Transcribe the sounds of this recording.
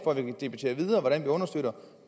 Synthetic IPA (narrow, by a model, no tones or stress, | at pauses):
fɒ̰ɐʋikʰæd̥e̝b̥æt͡sʰe̝̰ːɐʋiðˠɐːʋɒɾænʋiɔ̽nɐsd̥øɾɐ